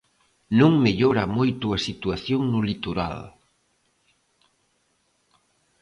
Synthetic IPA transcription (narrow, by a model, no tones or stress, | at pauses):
nũŋmeʎoɾamojt̪uɐsit̪uaθjoŋnulit̪uɾa̰l